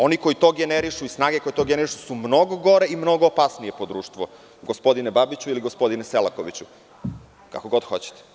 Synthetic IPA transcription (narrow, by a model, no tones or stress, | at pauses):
o̞niko̞jit̪oɡeneɾiʃuisnaːɡeko̞jet̪o̞ɡeneɾiʃu̥sumno̞ɡoɡo̞ɾe̞imno̞ɡoːpasnie̞po̞d̪ɾuːʃt̪ʋo | ɡospo̞d̪inebabit͡ɕuiliɡospo̞d̪ineselako̞ʋit͡ɕu | ka̰koɡo̞d̪xo̞t͡ɕe̥t̪e̥